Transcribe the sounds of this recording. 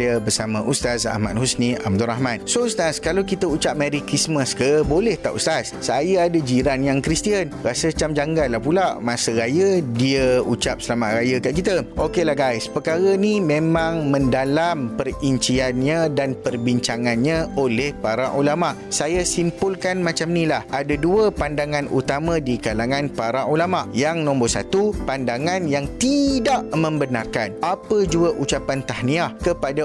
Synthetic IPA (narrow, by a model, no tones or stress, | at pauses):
jabərsamãʔust̪asa̰hma̰t̪̚husnĩʔa̰m̚d̪uɾahmãnsoust̪askalawkit̪əut͡ʃap̚mãɾikɾisməskəbolɛht̪a̰ʔṵst̪assajəadəd͡ʒiɾanjaŋkɾist̪iənɾasət͡ʃamd͡ʒaŋɡalahpulaʔmãsəɾajədiəut͡ʃap̚səlamaʔɾajakaʔkit̪əʔokelahɡajspəkaɾənimẽmãŋmə̃ndalampəriɲt͡ʃianɲãdanpərbiɲt͡ʃaŋãnɲãolɛhpaɾaʔulamaʔsajasimpʊlkanmãt͡ʃamnĩlahadaduəpandaŋãnut̪amãdikalaŋãnpaɾaʔulamaʔjaŋnɔ̃mbosa̰t̪upandaŋãnjaŋt̪idaʔmə̃mbənarkanapəd͡ʒuəʔut͡ʃapant̪ahniahkəpada